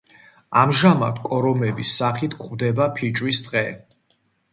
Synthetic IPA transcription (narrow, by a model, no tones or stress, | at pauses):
amʒama̰t̪ʰkʼɔɾɔmɛbisːaχit̪ʰkʰχvd̪ɛbapʰit͡ʃʼwisd̪qʼɛ